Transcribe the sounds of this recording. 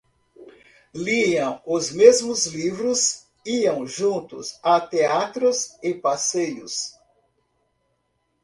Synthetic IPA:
liɐ̃w̃ʊzmezmʊzlivɾʊs | iɐ̃w̃ʒũt̪ʊ̰sat̪eat̪ɾʊzɪpasejʊs

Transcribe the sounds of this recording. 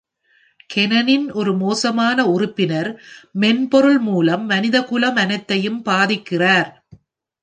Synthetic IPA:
kʰɛnɐnɪnʔɔɾɯmoːsɐmaːnɐʊrʊpːɪnɐɾmɛnpɔɾɯɭmuːlɐmːɐnɪðɐkʊlɐmɐnɐɪt̪ːɐjɯmpaːðɪkːɪraːɾ

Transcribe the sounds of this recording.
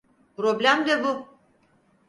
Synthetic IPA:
pɾoblʲæmd̪ɛbu

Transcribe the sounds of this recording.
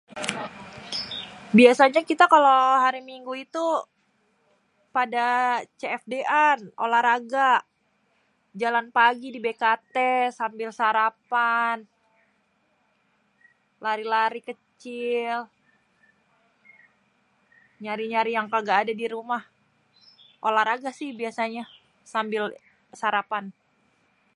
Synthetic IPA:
biasaɲakit̪akaloɦaɾimiŋɡuit̪u | padat͡ʃeɛfdeʔano̰lahɾaɡa | d͡ʒalanpaɡidibekat̪esambɪlsaɾapan | laɾilaɾikət͡ʃɪl | ɲaɾiɲaɾijaŋkaɡaːdadiɾumah | ʔolaɾaɡasɪhbiasaɲa | sambɪl | saɾapan

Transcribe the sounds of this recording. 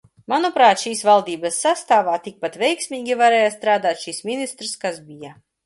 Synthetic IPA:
manupɾaːt̪ʃiːsvalˠd̪iːbasːast̪aːvaːt̪ik̚pat̪vʲɛjksmʲiːɡʲivaɾɛːjast̪ɾaːd̪aːt̪ʃismʲinist̪ɾskazbija

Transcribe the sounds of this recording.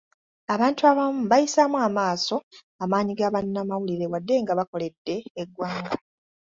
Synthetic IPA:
aβaːntuaβamuβajisamwaːmaːso̞ | amaːɲiɡaβanːamawuliɾe̞wadːe̞ŋɡaβako̞le̞dːe̞ːɡwaːŋɡa

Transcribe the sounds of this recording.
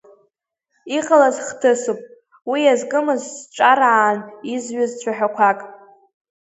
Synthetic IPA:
iqʼalazχtʰɨsupʼ | wijazkʼɨmɨzsʈ͡ʂʷʼaɾaːnizɥʊzt͡ʃʷʰaħᶣakʷʰakʼ

